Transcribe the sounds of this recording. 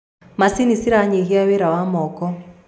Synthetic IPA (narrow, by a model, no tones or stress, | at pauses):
masinisiɾaɲeɣiawɛɾawamɔːkɔ